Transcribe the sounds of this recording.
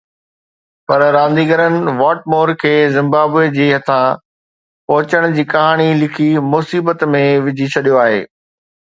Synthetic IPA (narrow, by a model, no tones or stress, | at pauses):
pɐɾɾãːʋə̃n̆d̪iːɡəɾənɪ̆ʋaːʈ̚moːɾkʰeːzɪ̃mbaːbed͡ʑiːɦɐt̪ʰã | pɐɦʊt͡ɕəɽ̃ʊd͡ʑiːkɐɦaːɽ̃ilɪkʰimʊsiːbət̪mẽʋɪd͡ʑʱit͡ɕʰɐɗijoaːɦḛː